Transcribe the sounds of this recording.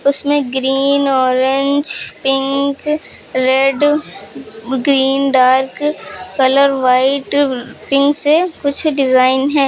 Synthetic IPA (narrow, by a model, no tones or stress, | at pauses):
ʊsmẽɡɾiːnɔːɾɪ̃ɲd͡ʒpɪ̃ŋk | ɾɛɖ | ɡɾiːnɖaːɾkkɐləɾʋaːɪʈpɪ̃ŋksekʊt͡ʃʰɖɪzaːɪnɦɛ̃ː